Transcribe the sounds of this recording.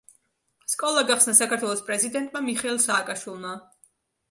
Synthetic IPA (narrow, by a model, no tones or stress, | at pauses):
skʼɔlˠaɡaχsnasakʰaɾt̪ʰwɛlˠɔspʼɾɛzid̪ɛnt̪ʼmamiχɛlˠsaːkʼaʃwilˠma